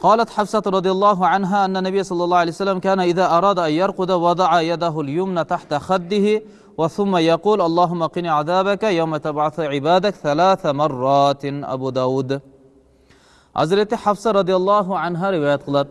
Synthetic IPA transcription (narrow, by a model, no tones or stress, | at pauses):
qɑːlat̪ħafsat̪ɾˤɑd̪ˤijɑlˤːɑːɦʊʕanɦaːʔanːanːabɪjːasˤɑlːɑlːɑːʕalejsalːamkaːnaʔɪðaːʔɑɾˤɑːd̪aʔanjɑɾˤqʊd̪awɑd̪ˤɑʕajad̪aɦʊljʊmnat̪aħt̪axad̪ːɪhɪ | waθʊmːajɑquːlʔɑlˤːɑːɦʊmːaqɪniːʕaðaːbakajawmat̪abʕaθʕɪbaːd̪akθalaːθamɑrˤːɑːt̪ʔa̰buːd̪aːwuːd̪ | ʔa̰zɾet̪ħafsaɾˤɑd̪ɪjalˤːɑːɦʊʕanɦaːɾɪwaːjat̪̚qɑlat̪